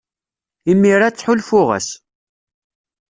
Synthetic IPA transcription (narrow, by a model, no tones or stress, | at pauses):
imːiɾat͡sːħʊlfʊʁæ̰s